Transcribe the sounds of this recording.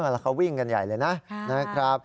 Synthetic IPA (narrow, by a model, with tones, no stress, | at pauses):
ʔlaː˧˩kʰa˦˥wi˥˩ŋka˧nja̰˨˩jlɤː˧jna˦˥na˦˥kʰɾa˦˥p̚